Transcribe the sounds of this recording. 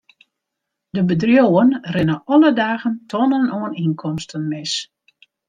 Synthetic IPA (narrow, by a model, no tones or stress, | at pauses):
dəbədrjoːənrɪnəʔɔlədaːɣəntʰɔnənoəninkʰɔmstʰənmɪs